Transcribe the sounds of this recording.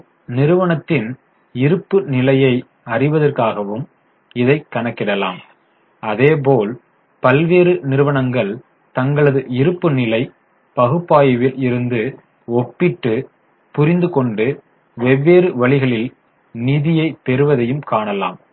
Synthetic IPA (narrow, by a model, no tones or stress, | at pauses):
nɪɾɯʋɐɳɐt̪ːɪn | ɪɾɯpːɯnɪlɐjɐɪ | ɐrɪʋɐðɐrkaːɣɐʋɯm | ɪðɐɪkːɐɳɐkːɪɽɐla̰ːm | ɐðeːp̬oːl | pɐlʋeːɾɯnɪɾɯʋɐɳɐŋɡɐɭ | t̪ɐŋɡɐɭɐðɯʔɪɾɯpːɯnɪlɐɪ | pɐɣɯpːaːjɐʋɪlɪɾɯnd̪ɯ | ɔpːɪʈːɯ | pʊɾɪnd̪ɯkɔɳɖɯ | ʋɛʋːeːɾɯʋɐɭɪɣɐɭɪl | nɪðɪjɐɪpɛɾɯʋɐðɐjɯmkaːɳɐla̰ːm